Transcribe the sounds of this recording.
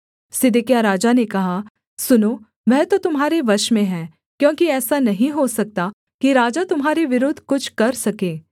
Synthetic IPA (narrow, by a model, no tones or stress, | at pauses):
sɪd̪ɪkjaɾaːd͡ʒanekɐɦa | sʊnoː | ʋɛɦt̪ot̪ʊmɦaːɾeʋɐʃmẽɦɛ̃ː | kjõːkiɛːsanɐɦĩɦosɐk̚t̪a | kiɾaːd͡ʒat̪ʊmɦaːɾeʋɪɾoːd̪ʱkʊt͡ʃʰkɐɾsɐkeː